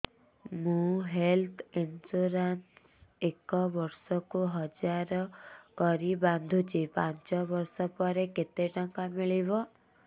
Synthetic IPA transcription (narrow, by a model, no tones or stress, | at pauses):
mũɦelt̪ʰinsuɾans | ekɔbɔɾsɔkuɦɔd͡ʒaɾɔkɔɾiband̪ʱut͡ʃʰipaɲt͡ʃɔbɔɾsɔpɔɾeket̪eʈɔŋkamiɭibɔ